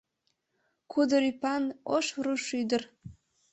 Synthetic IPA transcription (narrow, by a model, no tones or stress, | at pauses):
kʰʊdɨɾipʰanoʂrɨʂydɨr